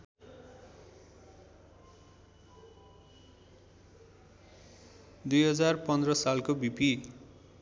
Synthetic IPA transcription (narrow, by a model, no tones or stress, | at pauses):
d̪ujɦʌd͡zarpʌnd̪rʌsalkobipi